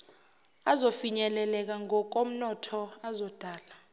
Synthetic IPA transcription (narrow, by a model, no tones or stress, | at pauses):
azofiɲɛlɛlɛk̬aŋɔk̬om̩nɔtʰɔazɔd̥ʱaːla